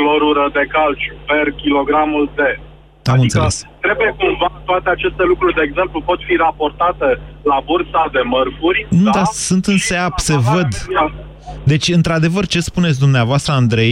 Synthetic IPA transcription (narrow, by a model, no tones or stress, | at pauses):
kloɾuɾəd̪e̞kalt͡ʃuperkʲilo̞ɡɾamuld̪e̞ | amɨniseəlesst̪ɾe̞bujekuɱvat̪oat̪e̞at͡ʃe̞st̪e̞lukɾurʲd̪e̞ːɡze̞mplupo̞t̪fiɾapo̞rt̪at̪e̞labursad̪e̞mərfurʲnud̪asunt̪ɨnseapsevəd̪a | d̪e̞t͡ʃʲɨnt̪ɾad̪e̞vərt͡ʃe̞spune̞t̪sʲd̪umneavoast̪ɾəand̪ɾe̞j